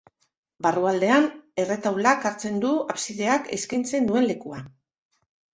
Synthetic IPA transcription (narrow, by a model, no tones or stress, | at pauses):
baruald̪e̞ane̞re̞t̪awlakaɾt͡se̞nd̪uapsiðe̞akeskint͡se̞nd̪ue̞nle̞kua